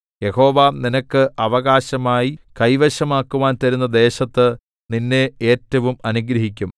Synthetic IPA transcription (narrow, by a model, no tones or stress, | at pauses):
je̞ho̞ːʋaːninɐkːɨʔɐʋɐɣaːɕɐmaːjikɐjʋɐɕɐmaːkːuʋaːnt̪ɐɾunːɐd̪e̞ːɕɐt̪ːɨ | ninːee̞ːtːɐʋumɐnuɡɾɐɦikʲːum